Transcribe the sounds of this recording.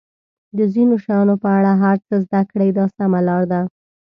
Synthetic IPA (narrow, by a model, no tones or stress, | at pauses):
d̪əzinoʃajɑnopəaɽaɦaɾt͡səzd̪akɽajd̪ɑsamalɑɾd̪a